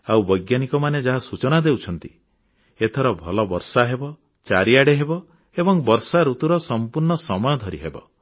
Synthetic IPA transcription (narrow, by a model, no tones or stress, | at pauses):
awbɔjɡjanikɔmaned͡ʒaɦasut͡ʃɔnad̪ewt͡ʃʰɔnt̪i | et̪ʰɔɾɔbʱɔlɔbɔɾsaɦebɔ | t͡ʃaɾiaɽeɦebɔ | ebɔŋbɔɾsaɾut̪uɾɔsɔmpuɾɳɔsɔmɔjɔd̪ʱɔɾḭɦebɔ̰